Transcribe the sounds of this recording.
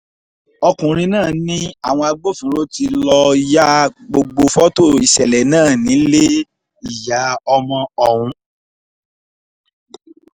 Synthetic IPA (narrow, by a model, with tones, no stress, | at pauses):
ɔ˧kũ˨ɾ̃ĩ˧nãː˦˨nĩ˦a̰˦˨w̃ɔ̃˧a˧ɡ͡bo˦fĩ˨˦ɾo˦ti˧lɔ˧i˦˧ja˦ɡ͡bo˧ɡ͡bo˧fɔ˦to˦˨i˨sɛ˨lɛ˨nãː˦˨nĩ˨˦le˦ | i˦˨ja˨˦ɔ˧mɔ̃˧ɔ˨wũ˧